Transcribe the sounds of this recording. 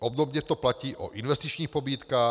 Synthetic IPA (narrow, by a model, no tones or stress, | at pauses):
ʔɔb̚d̪ɔbɲɛt̪ɔplaciːʔɔ̰ʔinʋɛst̪it͡ʃɲiːxpɔbiːt̪kaː